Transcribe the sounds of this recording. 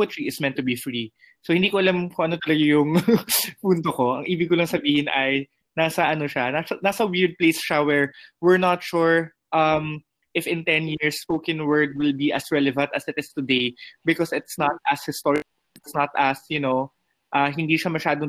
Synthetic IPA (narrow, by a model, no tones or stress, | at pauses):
ɐt̪ɹiɪsmɛnt̪ːʊbifɹi | sohɪnd̪ikoʔɐlamkʊ̃ŋʔɐnot̪ɐlɐɡajʊŋpuːnt̪oko̞ʔɐŋʔiːbɪɡkːolɐŋsɐbiːhɪnʔɐj | naːsɐʔɐnoʃanasɐnaːsɐwɪɹd̪̚plejsʃawɛɹwɪɹnɐt̪ʃuɹ | ʔɐm | ʔɪfɪ̃nt̪ɛnjiɹsːpowkɛnwɜɹd̪̚wɪlbiʔɐsɹɛlɛvɐ̃nt̪ɐsɪt̪ɪst̪ʊd̪ejbɪkɔsɪt̪snɐt̪̚ʔɐshɪst̪ɔɹɪ | ɪt̪snɐt̪ɐsjʊnow | ʔaɦɪnd̪iːʃɐmɐʃaːd̪o